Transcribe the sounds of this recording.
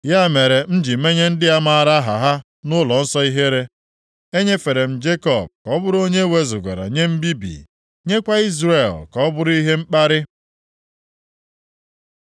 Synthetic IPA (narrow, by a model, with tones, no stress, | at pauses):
ja˦me˨ɾe˨m̩˦d͡ʒi˨me˦ɲe˦n̩˦dɪ˦a˦ma˨a˨ɾa˦ɦa̰˨ɦa˦ | nʊ˦lɔ˨n̩˦sɔ˦i˦ɦe˦ɾe˦ | e˦ɲe˦fe˨ɾe˨m̩˨d͡ʒe˦kɔ˨b̚kɔ˦bʊ˦ɾo˦ɲe˦we˦zʊ˨ɡʷḛ˨ɾa̰˨ɲe˦m̩˦bi˦bḭ˨ | ɲe˦kʷa˦i˦zɾe˨lkɔ˨˦bʊ˦ɾʊ˦i˦ɦe˦ŋ͡m̩˦k͡pa˦ɾɪ˦